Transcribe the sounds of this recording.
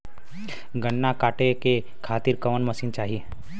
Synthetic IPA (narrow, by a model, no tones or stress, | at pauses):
ɡəɳːakaʈeke | kʰat̪iːɾkəʋənməsiːnt͡ʃaɦi